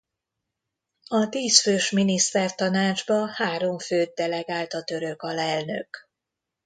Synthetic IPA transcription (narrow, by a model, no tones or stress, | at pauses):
ɒt̪iːsføːʃminist̪ɛrt̪ɒnaːd͡ʒbɒhaːɾo̞ɱføːd̪̚d̪ɛlɛɡaːlt̪ɒt̪ø̞ɾø̞kɒlɛlnø̰k